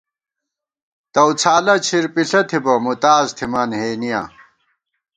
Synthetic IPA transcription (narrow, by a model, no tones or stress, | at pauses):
t̪ɐwt͡sʰaːlɐt͡ɕʰiɾpiɬɐt̪ʰibɐmut̪aːzt̪ʰimɐnɦeːnija̰ː